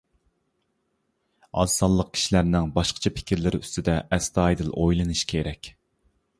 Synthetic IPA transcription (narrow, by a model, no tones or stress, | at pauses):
ɑ̰sɑllˠəq̚kʲi̥ʃilæɾnɪŋbɑʃqʰə̥t͡ʃʰɑpʰɪ̥kʲiɾlɪɾy̰st̪ɪd̪ɛʔɛst̪ɑːjd̪ɨlˠʔojlˠɨnɨʃkʲʰeɾɛkʲ